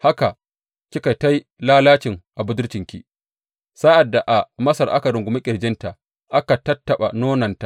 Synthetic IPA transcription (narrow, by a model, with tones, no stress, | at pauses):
ha˦ka˨ | kʲi˦ka˨jta˦j | laː˦laː˦t͡ʃɪ˨ŋʔa˨bʊ˦dʊ˦ɽt͡ʃɪ˨ŋkʲḭ˦ | saː˦ʔa˨dːa˨ʔa˨mɐ˦sɐ˨rʔa̰˦kɐ˨ɾɪ˨ŋɡʷʊ˨mi˦kʲʼɪ˨ɽd͡ʒɪ˦nta˨ʔ | ʔa˦ka˨tɐ˦tːɐ˨ɓa˨noː˦nɐ˨nta˨ʔ